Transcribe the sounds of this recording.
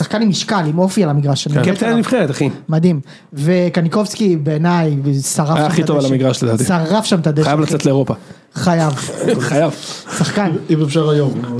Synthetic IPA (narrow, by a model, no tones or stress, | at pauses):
saχkanimiʃkalimo̞fialamiɡʁaʃa̰ket̪anivχeʁet̪aχimad̪im | vekaniko̞vskibeːnajsaʁaajaaχitovalamiɡʁaʃled̪aːt̪isaʁafʃamt̪ad̪eajavlat͡set̪leeʁopa | χajavχajavsaχkanimefʃaʁajom